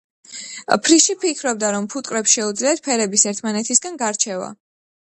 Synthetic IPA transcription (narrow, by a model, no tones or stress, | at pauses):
pʰɾiʃipʰikʰɾɔb̚d̪aɾɔmpʰut̪ʼkʼɾɛpsʃɛud̪zliat̪̚pʰɛɾɛbisɛɾt̪ʰmanɛt̪ʰisɡanɡaɾt͡ʃʰɛva̰